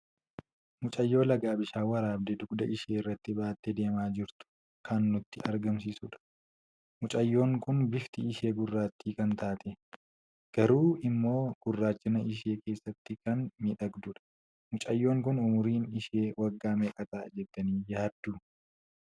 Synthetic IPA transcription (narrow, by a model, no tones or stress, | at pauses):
mʊt͡ʃʼɐjːo̞ːlɐɡaːbɪʃaːwɐɾaːb̚d̪ɛd̪ʊɡd̪ɐʔɪʃeːɪrːɐt̪ːɪbaːt̪ːed̪e̞ːmaːd͡ʒɪɾt̪ʊ̥ | kʰɐnːʊt̪ːɪʔɐɾɡɐms̬iːsʊᶑɐ̥ | mʊt͡ʃʼɐjːo̞ːŋkʊnbɪft̪ɪɪʃe̞ːɡʊrːaːt̪ːiːkɐnt̪aːt̪ɛ | ɡ̥ɐɾuːɪmːo̞ːɡ̥ʊrːaːt͡ʃːɪnɐʔɪʃ̬e̞ːke̞ːsːɐt̪ːɪkɐnmiᶑɐɡd̪ʊᶑɐ̥ | mʊt͡ʃʼɐjːo̞ːŋkʊnʊmʊɾiːnɪʃeːwɐɡːaːmɛːkʼɐt̪aːd͡ʒɛt̪ːɐniːjaːd̪ːʊ